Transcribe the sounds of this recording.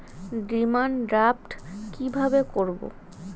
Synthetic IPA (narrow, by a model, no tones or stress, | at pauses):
ɖimanɖɾap̚ʈkibʱabekoɾbo̰